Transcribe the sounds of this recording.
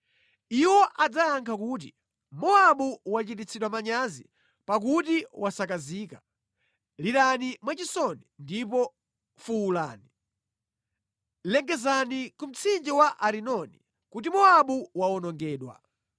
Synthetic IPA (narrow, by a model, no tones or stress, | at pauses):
iwɔʔad͡zajaŋkʰakut̬ḭ | mɔaɓuwat͡ʃit̬it͡sʰiɗwamaɲazḭ | pak̬utiwʔasakaziːka | liɾanimwat͡ʃisɔnindipɔ | fuwula̰ːni | lɛŋɡɛzanikum̩t͡sʰind͡ʒiwaʔaɾinɔni | kut̬imɔaɓuwaɔnɔŋɡɛːɗwa̰